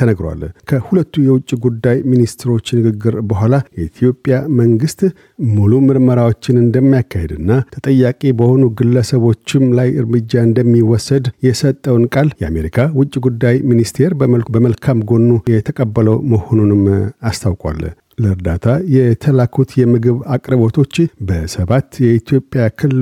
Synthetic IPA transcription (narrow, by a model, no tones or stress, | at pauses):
t̪ʰənəɡɾa̰lkʰəhulət̪ːujɛwʊt͡ʃʼːiɡud̪ːajminist̪ʰɾo̞t͡ʃːnɨɡɨɡːɨɾbəɦʷalajɛit̪ʰijo̞pʼjaməŋɡɨst̪ | mulumɨɾməɾawo̞t͡ʃːɪnɨnd̪əmːijakʰːahed̪ɨnːat̪ʰət̪ʼəjːakʼibəho̞nuɡɨlːəsəβo̞t͡ʃːɪmlajɨɾmɨd͡ʒːaɨnd̪əmːiwɔsːəd̪jɛsət̪ʼːəwnkʼaljɛa̰me̞ɾikʰawʊt͡ʃʼːiɡud̪ːajminist̪ʰe̞ɾbəməlbəməlkʰamɡo̞nːujɛt̪ʰəkʼəbːələwməho̞nunɨmast̪ʰawkʼa̰l | ləɨɾd̪at̪ʰajɛt̪ʰəlakʰut̪jɛmɨɡɨβakʼɾβo̞t̪ʰo̞t͡ʃːbəsəβat̪jɛit̪ʰjo̞pʼːjakʰɨl